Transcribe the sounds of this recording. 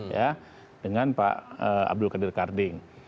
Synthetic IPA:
ja | dəŋanpa̰ʔəa̰b̚dʊlkadɪrkardɪŋ

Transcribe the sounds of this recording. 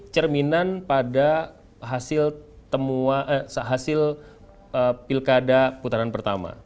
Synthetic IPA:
t͡ʃərminanpada | ɦasɪlt̪əmuaʔəsəɦasɪl | əpilkadaput̪aɾanpərt̪ama̰

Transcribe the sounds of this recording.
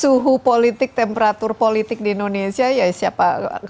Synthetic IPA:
suɦupolit̪ɪk̚t̪ɛmpeɾat̪ʊrpolit̪ɪk̚diːndonesiajasiapa

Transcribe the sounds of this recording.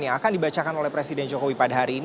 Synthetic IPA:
ɲaːkandibat͡ʃakanolɛhpɾesidɛnd͡ʒokowipadaɦaɾiːn

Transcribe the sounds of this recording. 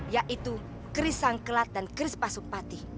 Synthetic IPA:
jaʔit̪u | kɾisaŋkəlat̪̚dankɾɪspasʊk̚pat̪i

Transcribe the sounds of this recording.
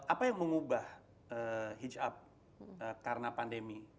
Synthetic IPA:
ʔapajaŋməŋubah | əhid͡ʒap̚ | əkaɾənapandemi

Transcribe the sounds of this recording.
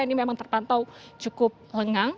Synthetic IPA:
ainimemaŋt̪ərpant̪ɔw̥t͡ʃukʊp̚ləŋaŋ

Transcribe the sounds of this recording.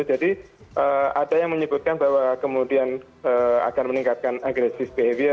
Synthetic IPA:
d͡ʒadi | ʔəadajaŋməɲəbut̪̚kanbaɦwakəmudian | əːa̰kanməniŋkat̪̚kanaɡɾesɪfbeviə

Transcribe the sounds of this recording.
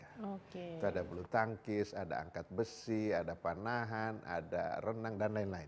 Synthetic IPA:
aoet̪uadabəlut̪aŋkɪsada̰a̰ŋkat̪̚bəsiadapanaɦanʔa̰da̰rənaŋdanlaɪnlaɪn

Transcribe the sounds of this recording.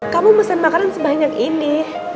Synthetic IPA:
kamuməsanmakaɾansəbaɲakinɪ

